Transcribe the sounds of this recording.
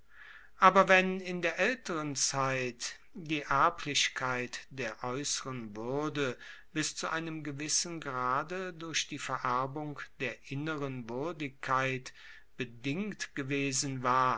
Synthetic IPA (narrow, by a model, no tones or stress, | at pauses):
ʔaːbɐvɛnɪndeːɐʔɛltəʁənt͡saɪt | d̥iːʔɛɐpʰlɪɕkʰaɪtd̥eːɐʔɔʏsəʁənvʏɐdə | b̥ɪst͡suʔaɪnəmɡəvɪsn̩ɡʁaːdədʊɐçd̥iːfɛɐʔæɐbʊŋkd̥eːɐʔɪnəʁənvʏɐdɪkʰːaɪt | b̥ədɪŋtɡ̥əveːzn̩vaːɐ